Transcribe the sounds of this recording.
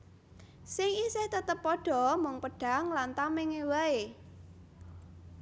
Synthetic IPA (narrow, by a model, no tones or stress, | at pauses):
siŋisɪht̪ət̪əpːɔɖ̥ɔ̤mʊŋpəɖ̥a̤ŋlant̪amɪŋewae